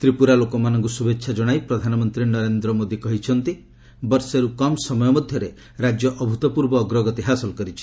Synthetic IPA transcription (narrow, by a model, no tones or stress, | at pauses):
t̪ɾipuɾalokɔmanɔŋkusubetːʃʰad͡ʒɔɽ̃ajpɾɔd̪ʱanɔmɔnt̪ɾinɔɾend̪ɾɔmod̪ikɔɦit͡ʃʰɔnt̪i | bɔɾseɾukɔmsɔmɔjɔmɔd̪ʱjɔɾe | ɾad͡ʒjɔʔɔbʱut̪ɔpuɾbɔːɡɾɔɡɔt̪iɦasɔlkɔɾit͡ʃʰi̥